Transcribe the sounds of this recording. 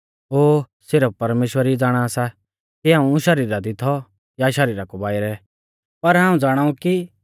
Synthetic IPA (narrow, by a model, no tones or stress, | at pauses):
oː | sɪɾəppɐɾmeːʃwəɾid͡zaːɽ̃asa | kiãːũʃɐɾiːɾad̪ɪt̪ʰɔ | jaʃɐɾiːɾakobaːiɾɛ | pɐɾɦãːũd͡zaːɽ̃aːũki